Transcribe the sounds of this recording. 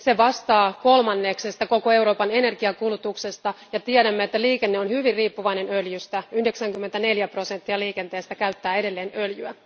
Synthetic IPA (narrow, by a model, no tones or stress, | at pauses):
se̞ʋɑst̪ɑːko̞lmɑnːekse̞st̪ɑko̞koe̞wɾo̞ːpɑne̞ne̞rɡiɑkulut̪ukse̞st̪ɑjɑt̪ieɾæmːeet̪ːæliːkenːeo̞nhyʋirriːpːuʋɑjne̞nøljyst̪æyhde̞ksæŋkymːent̪æne̞ljæpro̞se̞nt̪ːiɑliːke̞nt̪e̞ːst̪ækæɥt̪ːæːe̞de̞lːe̞ːnøljyæ